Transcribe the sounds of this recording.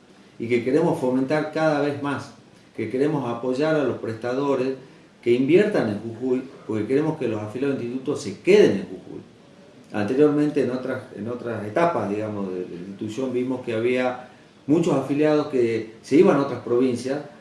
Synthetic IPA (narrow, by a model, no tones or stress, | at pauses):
ike̞ke̞ɾe̞mo̞sfo̞ment̪aɾkaðaβe̞zmas | ke̞ke̞ɾe̞mo̞sapo̞ʒaɾalo̞spɾest̪að̞o̞ɾes | ke̞imbje̞ɾt̪ane̞ŋxuxujpo̞ɾke̞keɾe̞mo̞skelo̞safiljaoinst̪it̪ut̪o̞se̞ke̞ð̞enẽŋxuxṵj | a̰nt̪e̞ɾjo̞ɾmẽnt̪eːnot̪ɾasḛno̞t̪ɾaset̪apazðiɣamozðel̰int̪it̪usjo̞mbimo̞skeaβia | mut͡ʃo̞safiljað̞o̞skese̞iβanao̞t̪ɾaspɾo̞βinsjas